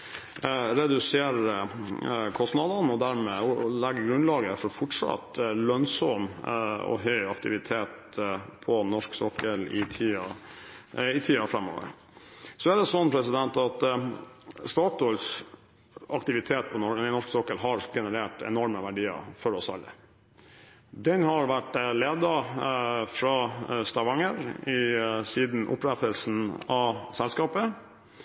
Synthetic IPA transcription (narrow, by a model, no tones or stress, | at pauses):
ɾɛd̪ʉseːɾ | kʰɔst̪nɑd̪ənɔd̪æɾmɛlɛɡːəɡɾʉnlɑːɡəfɔɾɔfɔʈʂɑ̰t̪lœnsɔmɔ̰ɦœʏɑk̚t̪ɪʋɪt̪ʰeːt̪ | pʰɔnɔʂksɔkːəlɪt̪ʰiːɑ | ɪt̪ʰiːɑfɾɛmːɔ̰ːʋə̰ɾ | sɔæɖ̪ɛsɔnːpʰɾɛsɪd̪ɛnt̪ɑt̪ | st̪ɑːt̪ɔls | ɑkt̪ɪʋɪt̪ʰeːt̪̚pʰɔnɔnɔʂksɔkəlɦɑɾɡɛnəɾeːʈɛ̰nɔɾməʋæɖiːə̰fɔɾɔsɑ̰lːə̰ | d̪ɛnhɑɾʋæʈleːd̪ɑ | fɾɑst̪ɑʋɑŋəɾɪsiːd̪n̩ʔʊ̰pɾɛt̪əlsn̩ɑsɛlskɑːpə